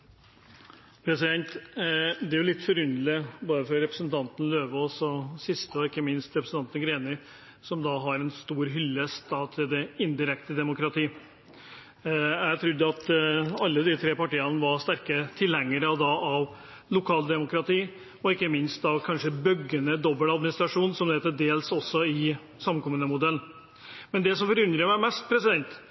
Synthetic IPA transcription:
pʰɾɛsɪd̪ɛnt̪ | d̪ɛæɾjʊlɪt̪ːfɔɾʉnlɪboːd̪əfɾɔɾɛpɾəsnt̪ʰɑnt̪n̩løːʋəɔsɔsɪst̪əɔɪkːəmɪnst̪ɾɛpɾsn̩t̪ɑnt̪n̩ɡɾeːnɪ | sɔmd̪ɑɦɑɾɛnst̪uːɾɦʏlːəsd̪ɑːt̪ʰɪld̪ɛɪnd̪ɪɾɛkt̪əd̪ɛmʊkɾɑt̪ʰiː | jæt̪ʰɾʉd̪ːəɑt̪ɑlːəd̪ɪt̪ʰɾeːpɑʈiːɑnʋɑɾʂt̪æɾkət̪ʰɪlhɛŋːəɾɑʋd̪ɑʔɑʋ | lʊkʰɑːld̪ɛmʊkɾɑt̪ʰiː | ɔɪkːəmɪnst̪ɑʋkʰɑnʂəbœɡənəd̪ɔbːəlɑd̪mɪnɪst̪ɾɑʂuːnsɔmd̪eːt̪ːəd̪eːlsɔsːɔɪ | sɑməkʰɔmːənəmʊd̪ɛlːn | mɛnd̪ɛsɔmfɔɾʉnd̪ɾəmæɪmɛst̪̚pʰɾɛsɪd̪ɛnt̪

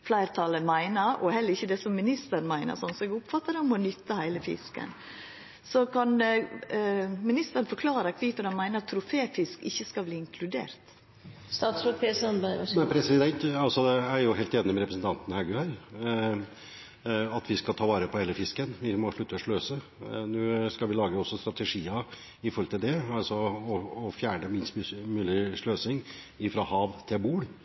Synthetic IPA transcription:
flæɪɾt̪ʰɑləmæɪnəɾɔhɛlːəɾɪçːəd̪ɛsɔmːɪnɪst̪əɾnmæɪnə̰ɾsɔnsɔɛɡʊpfɑt̪ːəɾəɔmɔnʏt̪ːəhæɪləfɪ̰skə̰n | sɔkɑn | mɪnɪst̪əɾənfɔɾkʰlɑːɾəkʰʋiːfɔdɑnmæɪnəɾɑt̪ʰːɾʊfeːfɪskɪçːəskɑlbliːɪŋkʰlʉd̪ḛːɾt̪ | st̪ɑːt̪sɾoːd̪̚pʰeːsɔnbæɪɛpʰɾɛsɪd̪ɛnt̪ɑlsɔd̪ɛæɾjʊɦeːlt̪eːnɪmɛɾɛpɾəsn̩t̪ɑnt̪n̩hɑɡʉhæɾ | ɑt̪ʋɪskɑlt̪ʰɑːʋɑːɾəpʰɔheːləfɪskənʋɪmɔʂɭʉt̪ːəɔʂɭøːsə | nʉːskɑlʋɪlɑːɡəɔsːɔst̪ɾɑt̪əʂiːə | ɪfɔɾɔlt̪ʰɪld̪ɛɑlsɔɔːfjæːɳəmɪnst̪ːmʉːlɪʂɭøːsɪŋ | ɪfɾɑhɑːʋt̪ʰɪlbuːɽ

